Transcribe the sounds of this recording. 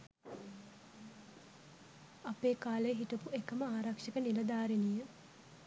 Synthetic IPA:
apeːkaːlejɦiʈəpuekəməaːɾakʂəkənilɐd̪aːɾenijə

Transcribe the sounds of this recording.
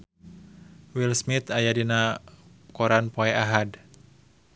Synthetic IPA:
wilsmit̪ajadina | kɔɾanpɔɛʔaɦad

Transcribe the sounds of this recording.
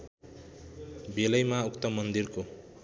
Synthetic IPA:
belʌjmaukt̪ʌmʌnd̪irko

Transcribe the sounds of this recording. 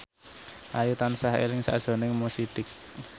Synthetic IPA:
ʔajut̪ansaɦḛlɪŋsa̰d̥ʒ̥o̤nɪŋmosid̪ɪk̚

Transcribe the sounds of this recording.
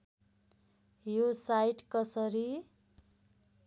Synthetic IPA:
josajʈkʌsʌɾi

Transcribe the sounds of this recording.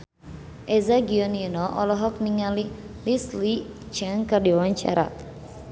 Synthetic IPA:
ʔɛzaɡiɔninɔʔɔlɔɦɔk̚niŋali | lisli | d͡ʒaŋkərdiawaɲt͡ʃa̰ɾa̰

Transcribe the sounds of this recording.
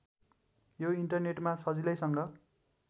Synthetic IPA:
joiɳʈʌrneʈmasʌd͡zilʌjsʌŋɡʌ

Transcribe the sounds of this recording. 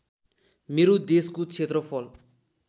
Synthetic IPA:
meɾod̪eskot͡sʰet̪rʌpʰʌl

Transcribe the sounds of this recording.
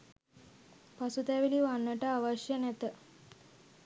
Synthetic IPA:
pasut̪ɛʋiliʋanːəʈəaʋaʃjənæt̪ə

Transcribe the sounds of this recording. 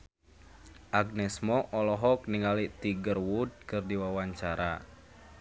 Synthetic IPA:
ʔaɡ̚nɛsmɔʔɔlɔɦɔk̚niŋalit̪iɡərwud̚kɨrdiwawaɲt͡ʃaɾa

